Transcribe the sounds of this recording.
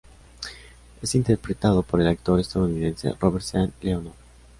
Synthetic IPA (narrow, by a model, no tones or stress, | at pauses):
esint̪eɾpɾet̪aðopoɾelak̚t̪oɾest̪aðuniðẽnse̞̰roβeɾt̪sanleono